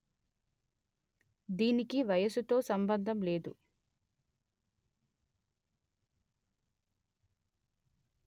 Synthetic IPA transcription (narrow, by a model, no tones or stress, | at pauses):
d̪iːnikiʋɐjɐsut̪o̞ːsɐmbɐnd̪ʱɐmle̞ːd̪ṵ